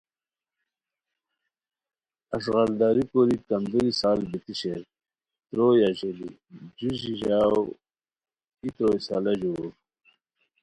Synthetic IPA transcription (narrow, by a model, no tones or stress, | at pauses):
ɐʂɣaɾd̪aːɾipoɾikɐnd̪uɾisaːlbit̪iɕeɾ | t̪ɾoːjaʑeli | d͡ʑuʑiʑaːw | it̪ɾoːjsa̰ːlɐʑuɾ